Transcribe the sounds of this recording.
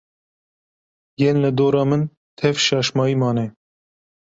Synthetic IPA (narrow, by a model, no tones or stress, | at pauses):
jenlɨd̪oːɾɑːmɨn | t̪ʰɛvʃɑːʃmɑːiːmɑːnɛ